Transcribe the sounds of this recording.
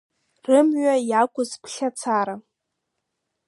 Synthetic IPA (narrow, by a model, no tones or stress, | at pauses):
rɨmɥajakʷʼʊzpʷʰɬʲat͡sʰaɾa